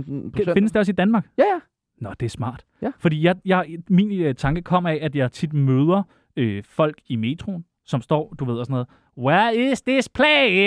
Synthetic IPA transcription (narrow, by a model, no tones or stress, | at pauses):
fe̝nəsd̥e̝ɒsid̥ænmɑ̈ːɡ̥ | nɒd̥e̝æɐsmɑ̰̈ːd̥ | fɒ̽d̥ḭːjɑ̈ɪjɑ̈mint͡sʰɑ̈ŋɡ̥əkʰɒ̽m̰ɐɛʔæd̥jɑ̈ɪt͡sʰid̥møːð̞ˠɐ | øfɒ̽l̰ɡ̥ime̝t͡sʰʁo̝n | sɒ̽msd̥ɒ̰ːd̥uʋe̝ð̰ˠɒsɔnɔ̽ːðˠ | wɛɐesd̥espʰlɛ